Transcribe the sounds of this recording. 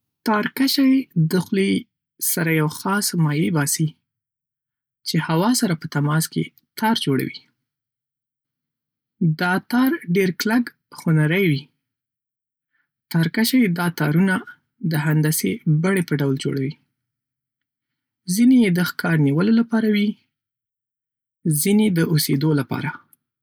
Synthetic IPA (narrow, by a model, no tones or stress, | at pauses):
t̪ɑɾkaʃajd̪əxli | saɾajawxɑsmɑjebɑsi | t͡ʃehawɑsaɾapət̪amɑskḛ | t̪ɑɾd͡ʒoɽa̰wḭ | d̪ɑt̪ɑɾɖeɾklak | xonaɾəjwi | t̪ɑɾkaʃajd̪ɑt̪ɑɾuna | d̪əɦand̪asebaɽepəɖawld͡ʒo̰ɽawi | zinejed̪əxkɑɾniwəlolapɑɾawi | zined̪əʔosed̪olapɑ̰ɾa